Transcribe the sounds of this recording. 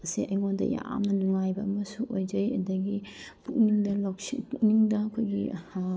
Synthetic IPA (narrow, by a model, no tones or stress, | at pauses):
ɐsiʔɐjŋondɐ̰ja̰mnɐluŋajbɐɐmɐsuʔojd͡ʒɐjɐ̰dɐɡipuk̚niŋdɐloksipuk̚niŋdɐɐkʰojɡi